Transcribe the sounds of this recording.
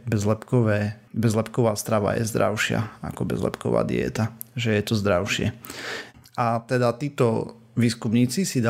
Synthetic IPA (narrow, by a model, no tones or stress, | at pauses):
bɛzlɛpkɔʋɛːbɛzlɛpkɔʋaːst̪ɾaʋa̰jɛ̰zd̪ɾa̰ʊʃɪa̰a̰kɔbɛ̰zlɛ̰pkɔʋa̰ːd̪ḭɛ̰t̪aʒɛjɛt̪ɔzd̪ɾaʊʃɪɛ | at̪ɛd̪at̪iːt̪ɔ | ʋiːskumɲiːt͡sisid̪a